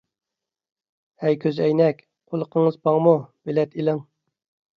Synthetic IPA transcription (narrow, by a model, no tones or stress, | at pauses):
hɛjkʲʰøzɛjnɛkʲ | qʰolˠəqʰəŋəzpʰɑŋmub̥elɛt̪ʰilɪŋ